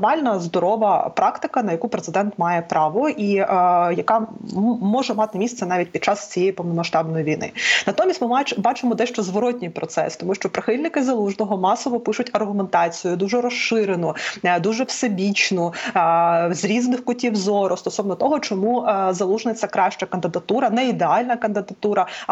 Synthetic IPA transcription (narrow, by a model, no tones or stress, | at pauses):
mɑlʲnɐzd̪ɔɾɔʋɐpɾɑkt̪ɪkɐnɐjɐkupɾet̪sɪd̪ɛnt̪mɑjɛpɾɑʋɔʔijɐkɑmɔʒɛmɑt̪ɪmʲist̪ɛnɑʋʲit̚ʲpʲid̥̪̚t͡ʃɑst͡sʲijejipɔʋnɔmɐʃt̪ɑbnɔjiʋʲijnɪ̰nɐt̪ɔmʲisʲtʲmɪbɑt͡ʃɪmɔd̪ɛʃt͡ʃɔzʋɔɾɔt̚ʲnʲijpɾɔt̪sɛ̰st̪ɔmuʃt͡ʃɔpɾʔɪxɪlʲnɪkɪzɐlˠuʒnɔɦɔmɑsɔʋɔpɪʃʊtʲɐrɦʊment̪ɑt͡sʲijʊd̪uʒɛɾɔʃɪɾenʊd̪uʒɛwsebʲit͡ʃnʊ | zɾʲiznɪxkʊtʲiwzɔɾɔst̪ɔsɔʋnɔt̪ɔɦɔt͡ʃɔmuzɐlˠuʒnɪt͡sʲːɐkɾɑʃt͡ʃɐkɐnd̪ɪd̪ɐt̪uɾɐnɛid̪eɑlʲnɐkɐnd̪ɪd̪ɐt̪uɾɐ